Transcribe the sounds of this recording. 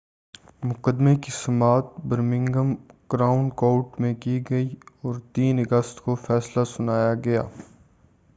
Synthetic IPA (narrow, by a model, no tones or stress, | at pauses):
mʊqəd̪mekisɐmaːt̪̚bɐɾmɪ̃ŋɡəmkɾaːʊɳkoːʈmẽkiɡɐiɔːɾt̪iːnɐɡəst̪kofɛːslasʊnaːjaɡɐja̰ː